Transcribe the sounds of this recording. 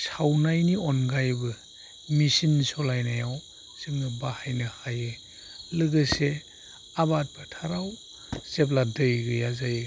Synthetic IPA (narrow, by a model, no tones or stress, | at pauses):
sawnajniɔnɡajbɯ | misinsɔlajnajaw | z̥ɯŋnɯbahajnɯhajɯ | lɯɡɯse | abat̚bʰɯtʰaɾaw | sep̬̚ladɯjɡɯjazaj